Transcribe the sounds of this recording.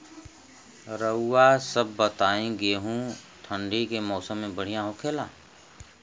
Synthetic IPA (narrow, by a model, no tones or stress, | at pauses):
ɾəʊːasəbːət̪aːẽɡeːɦũ | t̪ʰə̃ɳɖikemɔːsəmːẽbəɽ̤ijãɦoːkʰeːlaː